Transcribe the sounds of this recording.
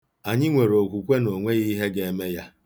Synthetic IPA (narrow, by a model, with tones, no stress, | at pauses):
a˨ɲɪ˦ŋʷe˨ɾo˨kʷu˨kʷe˦no˨ŋʷe˦ɣi˦ɦe˦ɡe˦e˦me˦ja˦